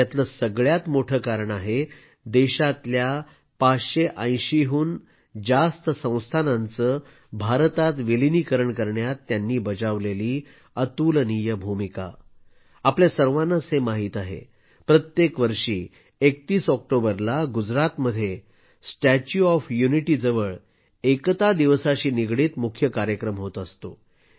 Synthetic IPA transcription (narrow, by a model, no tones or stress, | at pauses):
jat̪ləsəɡɭjat̪moʈʰəkaɾəɳaɦe | d̪eɕat̪lja | pat͡sɕeʔə̃j̃ɕiɦuːn | d͡zast̪əsə̃w̃st̪ʰanãnt͡səː | bʱaɾt̪at̪ʋeliniːkəɾəɳkəɾɳjat̪ːjanːiːbəd͡zaʋleliː | ət̪uːlənijəbʱumika̰ | apljasəɾʋanːasemaɦiːt̪aɦḛ | pɾət̪jekʋəɾʂiː | ek̚t̪iːsɔk̚ʈobəɾlaɡud͡zɾat̪məd̪ʱːje | sʈæt͡ɕuɔfjuniʈiːd͡zəʋəɭ | ekt̪ad̪iʋsaɕiːniɡɽiːt̪mukʰjəkaɾjəkɾəmɦot̪əst̪o̰